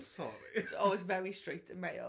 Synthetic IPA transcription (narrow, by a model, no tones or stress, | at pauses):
sɔ̰ɹḭɪsɔːlˠwɪzvɛɹistɹ̥eɪtʰə̃nmeɪ